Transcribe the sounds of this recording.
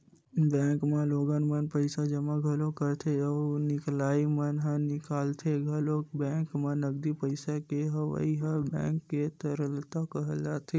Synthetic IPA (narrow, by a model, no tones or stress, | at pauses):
bɛ̃ːŋkmãloːɡənmənpəɪsad͡ʒɐmãɡʱəlokəɾt̪ʰeənɪklaːimənɦə̃nɪkaːlt̪ʰeɡʱɐlobɛ̃ːŋkmãnɐɡd̪ipəɪsakeɦɐʋa̰ːiɦəbɛ̰̃ːkːet̪əɾəlt̪akəɦəld͡ʒaːt̪ʰe